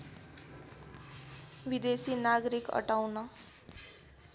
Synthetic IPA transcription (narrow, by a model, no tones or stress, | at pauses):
bid̪esinaɡʌɾikʌ̰ʈawnʌ